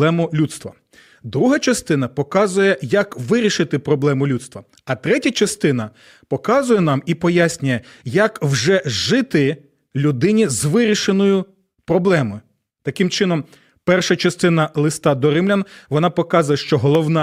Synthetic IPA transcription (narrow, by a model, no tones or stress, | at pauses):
ɛmʊlʲut̪st̪ʋɐ̰ | d̪ɾuɦɐt͡ʃɐst̪ɪn̪ɐpɔkɑzʊjɛjɐkʋɪɾʲiʃɪt̪ɪpɾɔblˠɛmʊlʲut̪st̪ʋɐ | ɐt̪ɾɛtʲɐt͡ʃɐst̪ɪn̪ɐ | pɔkɑzʊjɛnɑmipɔjasʲnʲʊjɛjɐkwʒɛʒɪt̪ɪ | lʲʊd̪ɪnʲizʋɪɾʲiʃenɔjʊ | pɾɔblˠɛmɔjʊ | t̪ɐkɪmt͡ʃɪnɔm | pɛrʃɐt͡ʃɐst̪ɪnɐlˠɪst̪ɑd̪ɔɾɪmlʲanʋɔnɑpɔkɑzʊjɛʃt͡ʃɔɦɔlˠɔwnɑ